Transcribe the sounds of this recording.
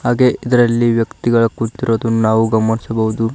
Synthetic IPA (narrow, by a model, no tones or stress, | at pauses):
haːɡe̞ʔʔid̪ɐɾɐlːiʋjɐkt̪iɡɐɭɐkuɽt̪iɾoːd̪unaːʋuɡɐmːɐnisɐbɐɦud̪u